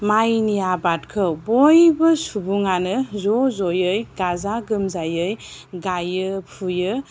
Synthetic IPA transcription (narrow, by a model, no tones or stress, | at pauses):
majnijabatkʰɯbɔjbɯsubuŋanɯzɔzɔjɯjɡazaɡɯmzajɯjɡajɯpʰujɯ